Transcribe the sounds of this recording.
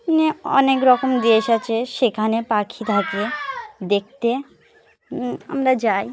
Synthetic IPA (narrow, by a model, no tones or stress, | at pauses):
neɔ̰nekɾɔkomd̪eeʃat͡ɕʰeʃekʰanepakʰid̪ʱak̪ijed̪ek̚t̪e | a̰mɾad͡ʑaj